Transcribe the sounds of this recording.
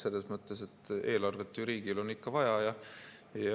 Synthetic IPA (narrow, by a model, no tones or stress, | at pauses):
se̞lːesmɤt̪ːˑe̞se̞t̪ːˑe̞ːlɑrve̞t̪ːˑyɾiːɡ̥ilo̞nːikːɑvɑjɑjɑ | jɑ